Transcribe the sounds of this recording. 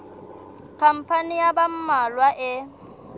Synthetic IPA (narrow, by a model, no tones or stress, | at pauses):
kʰam̩pʰanijabam̩malwaʔɪ